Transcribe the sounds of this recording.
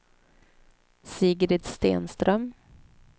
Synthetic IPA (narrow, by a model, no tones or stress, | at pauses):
siːɡɾɪt̪st̪ḛːnst̪ɾœm